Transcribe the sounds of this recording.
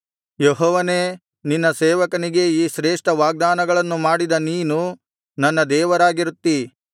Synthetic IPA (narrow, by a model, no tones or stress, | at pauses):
jeɦɔːʋɐneː | ninːɐseːʋɐkɐniɡe̞iːʃɾeːʂʈɐʋaːɡ̚d̪aːnɐɡɐɭɐnːumaːɽid̪ɐniːnu | nɐnːɐd̪ɛːʋɐɾaːɡiɾut̪ːi